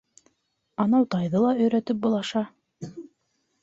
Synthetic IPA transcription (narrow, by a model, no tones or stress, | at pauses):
ɑnɑwt̪ɑjðɤlˠɑɵ̆jɾæt̪ɘp̚bŏlˠɑʃɑ